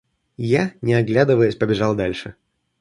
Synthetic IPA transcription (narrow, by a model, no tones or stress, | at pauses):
janʲɪɐɡlʲad̪ɨvəjʊsʲpəbʲɪʐɑlˠd̪alʲʂɨ